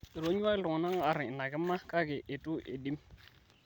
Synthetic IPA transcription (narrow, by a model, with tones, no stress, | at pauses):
i˨ɾo˦ɲ˦a˦lʊ˨ŋ˨na˦ŋ˦a˨ɾɪ˨na˨ɡɪ˦mːa˦ka˦ɡe˨ʔe˨tu˦ʔḛ˨di˦m